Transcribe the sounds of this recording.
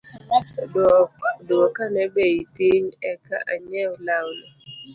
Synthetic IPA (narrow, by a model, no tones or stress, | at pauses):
dduɔkanɛbeipiɲɛka̰ʔaɲɛʊlaʊlɔ